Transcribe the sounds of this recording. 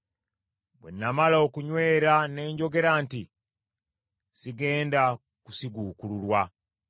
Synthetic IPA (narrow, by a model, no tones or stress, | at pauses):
bwe̞̰nːamalaokuɲwe̞ːɾane̞ːɲɟo̞ɡe̞ɾaːnti | siɡe̞ːnda | kusiɡuːkululwa